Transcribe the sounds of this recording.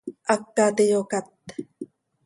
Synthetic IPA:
ʔakːat̪ejokat̪̚

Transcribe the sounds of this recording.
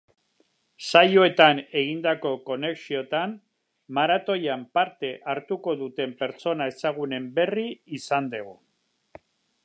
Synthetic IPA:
sajoe̞t̪ane̞ɣ̞ind̪ako̞ko̞ne̞ksio̞t̪an | maɾat̪o̞jampaɾt̪e̞ʔaɾt̪uko̞ðut̪e̞mpe̞ɾt͡so̞nae̞saɣ̞une̞mbe̞riisand̪e̞ɣ̞o

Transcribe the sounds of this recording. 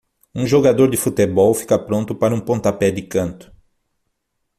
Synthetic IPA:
ũʒoɡad̪oɾd̪ɪfut̪ebɔwfi̥kɐpɾõnt̪ʊpaɾɐũpõnt̪apɛd̪ɪkɐ̃nt̪ʊ̥

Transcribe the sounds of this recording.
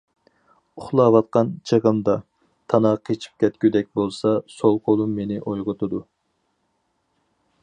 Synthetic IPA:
ʊχlˠɑːvɑt̪̚qɑnt͡ʃʰəʁəmd̪ɑ | t̪ʰɑnɑqʰet͡ʃʰi̥p̚kʲɛt̪̚kʲyd̪ɛk̚ʲbolˠsɑsolˠqʰolˠumːenɪʔojʁʊt̪ʰɨd̪u

